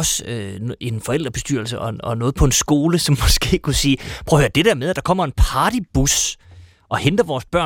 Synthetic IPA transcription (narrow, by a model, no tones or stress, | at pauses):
ɒ̽søe̝nfɒ̽el̰d̥ʁɐb̥e̝sd̥yɐ̰l̩səʔɒ̽ɒ̽nɔ̽ːð̩ˠpʰɒ̽e̝nsɡ̥o̝ːləsɒ̽mːɒ̽sɡ̥e̝̰ːkʰusiːpʰʁɔʊød̥e̝d̥æɐmeð̞ˠæd̥ɑ̈kʰɒ̽m̰ɐe̝npʰɑ̈ːd̥ib̥us | ʔɒ̽hend̥ɐʋɒːsb̥ɶɐ̰